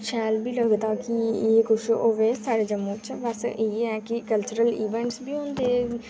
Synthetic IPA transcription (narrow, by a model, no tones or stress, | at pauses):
t͡ʃʰɛːlbʱiləɡt̪akijekʊʃʔoːʋesaːɾed͡ʒəmːut͡ʃʰɛʋɛːsʔeɛkikəlt͡ʃəɾəliːʋɛ̃ɳʈsbʱiɦõːnd̪e